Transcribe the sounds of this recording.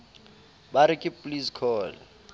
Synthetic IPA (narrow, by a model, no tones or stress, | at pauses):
baɾɪkʼɪpʼliskʰɔːl